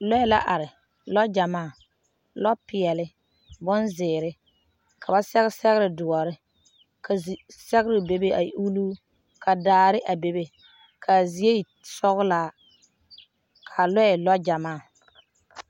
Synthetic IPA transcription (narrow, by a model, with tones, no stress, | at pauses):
lɔ˦ɛ˦la̰˦ʔa˨ɾɪ˨ | lɔ˦d͡ʒa˨maː˦˨ | lɔ˦pɪ˨ɛ˨lɪ˦ | bɔ˦nzɪː˨ɾɪ˦ | kʰa˨ba˦sɛ˦ɣɪ˦sɛ˦ɣɪ˦ɾɪ˨dʊ˨ɔ˨ɾɪ˦ | kʰa˨zsɛ˦ɣɪ˦ɾɪ˨be˦be˦ʔa˨˦u˦luː˦ | kʰa˨daː˨ɾɪ˦ʔa˨be˦be˦ | kʰa˨zi˨˦e˦˨ | sɔ˦ɣʊ˦la˦˨˦ | kʰa˨lɛ˦ɛ˨lɔ˦d͡ʒa˨maː˦˨